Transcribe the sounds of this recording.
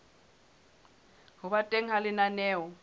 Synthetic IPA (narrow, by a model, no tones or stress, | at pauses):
ɦʊβatʼeŋ̩ɦalɪnanɛːwɔ